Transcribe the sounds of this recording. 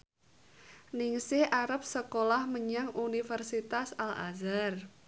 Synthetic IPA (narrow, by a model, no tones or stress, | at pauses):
nɪŋsɪhʔaɾəp̚səkolahməɲaŋunifərsit̪asalʔa̰zar